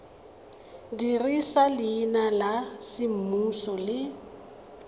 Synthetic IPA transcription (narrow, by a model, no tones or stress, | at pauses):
dirisalɪːnalasɪm̩musɔlɪ